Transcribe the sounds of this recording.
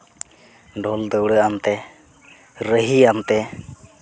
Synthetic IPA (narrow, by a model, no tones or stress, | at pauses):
ɖɔld̪əwɽəamt̪ɛ | ɾəɦiamt̪ɛ